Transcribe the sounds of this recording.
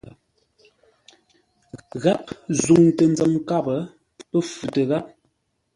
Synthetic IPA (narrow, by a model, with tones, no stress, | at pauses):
ɣa˦p̚zu˨ŋtə˨n˦d͡zə˨mka˦˨bə˨˦ | pə˦fu˨tə˨ɣa˦p̚